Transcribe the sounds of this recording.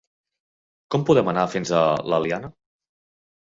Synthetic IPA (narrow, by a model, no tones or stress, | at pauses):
kɔmpuðɛmənafinzələ̰lianə